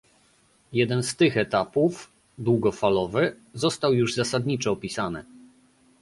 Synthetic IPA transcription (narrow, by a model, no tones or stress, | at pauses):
jɛd̪ɛnst̪ɘxɛt̪apuf | d̪wuɡɔfalɔvɘ | zɔst̪awjuʐzasad̪ɲit͡ʂɔːpʲisanɘ̰